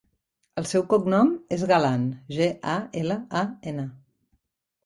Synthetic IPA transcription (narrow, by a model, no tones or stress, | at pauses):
əlˠsɛwkuknɔmezɣalanʒeʔaeləaenə